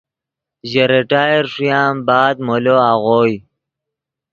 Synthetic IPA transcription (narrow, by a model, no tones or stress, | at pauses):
ʑeɾeʈaːjeɾʂjaːmbaːd̪̚moloaːɣoːj